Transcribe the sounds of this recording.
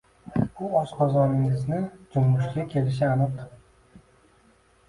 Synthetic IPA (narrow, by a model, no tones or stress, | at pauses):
ʊɒsqʰɒzɒnɪŋɪznɪd͡ʒʊmːʊʃɡʲakʲʰe̞lɪʃ̬ɪanɨq̪̚